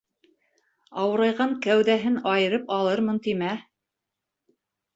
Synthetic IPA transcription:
ɑwɤ̆ɾɑjʁɑŋkæwðæɦɘnɑjɤ̆ɾɤpɑlˠɤɾmɤnt̪imæ

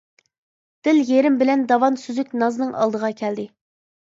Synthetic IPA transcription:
d̪̥ɪljeɾɪmbɪlɛnd̪ɑwɑnsyzyk̚ʲnɑznɨŋʔɑ̰lˠd̪əʁɑkʲʰɛld̪ɪ

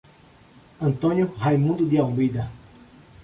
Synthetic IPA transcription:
ɐ̃nt̪õnjuhajmũnd̪ud̪iawmid̪ɐ

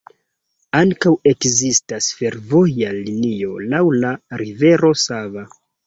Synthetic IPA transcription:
aŋkawe̞kzistasfe̞ɾvo̞jalinio̞lawlaɾive̞ɾo̞sava

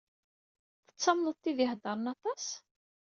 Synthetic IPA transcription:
θə̥t͡sːɑmlət̪ˤːiðɪhd̪ɑɾˤənɑt̪ˤɑs

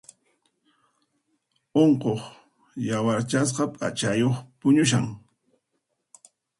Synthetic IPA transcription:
oɴqoχ | jawaɾt͡ʃas̬qɑpʼa̰t͡ʃajoχpʊɲʊʃ̬aŋ

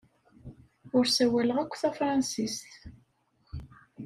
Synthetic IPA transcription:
ʊɾsæwæləʁækʷːθæfɾˤɑnsist̪

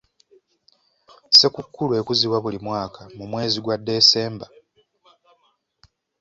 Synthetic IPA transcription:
se̞kukːulue̞kuziβwaβulimwaːkamumwe̞ːziɡwadːe̞ːse̞ːmba

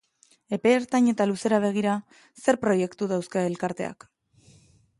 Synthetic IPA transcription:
e̞pe̞ːɾt̪aɲe̞t̪aluse̞ɾaβ̞e̞ɣ̞iɾa | se̞ɾpɾo̞je̞kt̪uðawskae̞lkaɾt̪e̞̰a̰k

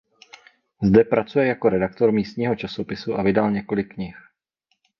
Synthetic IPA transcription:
zdɛpɾat͡sujɛjako̞ɾɛdak̚t̪o̞ɾmiːst̪ɲiːɦo̞t͡ʃaso̞pɪsuʔavɪdalɲɛko̞lɪkːɲɪx

